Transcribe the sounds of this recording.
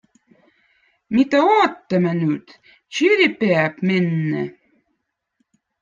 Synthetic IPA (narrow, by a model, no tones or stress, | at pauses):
mit̪æoːt̪ːəmænyt̪ | t͡ɕiɾʲipeæpmenːɘ̰